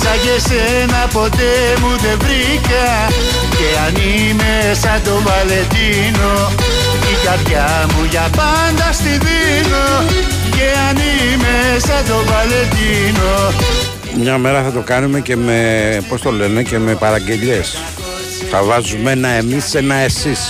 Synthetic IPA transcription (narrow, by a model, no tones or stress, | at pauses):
sɐʝese | nɐpo̞t̪e | muðe̞vɾi | kɐ | ceani | me | sɐt̪o̞valet̪i | no | tikɐɾðʝa | muʝɐpɐ | nd̪ɐst̪iði | no | ceanimesɐt̪ovalet̪ino | mɲɐme̞ɾɐθɐt̪o̞kɐnume̞ce̞mepo̞st̪o̞le̞ne̞ce̞me̞pɐɾɐɟe̞ʎe̞s | θɐvɐzumenɐe̞mise̞nɐe̞sis